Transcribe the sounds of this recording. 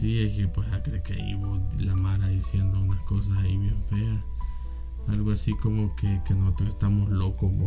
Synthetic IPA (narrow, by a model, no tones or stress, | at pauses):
siekepwesakɾekeḭβolamaɾaðisjend̪ounaskos̬asaiβjeɱfea | alɣoasikomokekenosot̪ɾokest̪amoslokoo